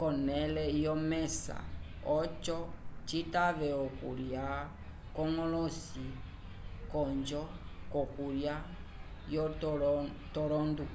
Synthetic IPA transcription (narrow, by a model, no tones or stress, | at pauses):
kɔnɛlɛjɔmɛsa̰ | ɔt͡ʃɔt͡ʃitaʋɛɔkṵɾja | kɔŋɔlɔsi | kɔɲd͡ʒɔkɔkuɾja | jɔ | tɔlɔndu